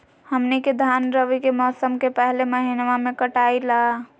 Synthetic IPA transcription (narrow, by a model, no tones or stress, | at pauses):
həmniked̪ʱanɾəbɛkemɔsəmkepəɦleməɦinʋamekəʈaila